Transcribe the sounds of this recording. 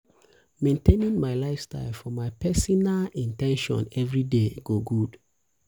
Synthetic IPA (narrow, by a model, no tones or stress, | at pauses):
mẽntenĩnmaɪlaɪfsta̰ɪlfɔmaɪpɛsinalĩntɛ̃nʃɔ̰̃nɛvɹideɡoɡud̥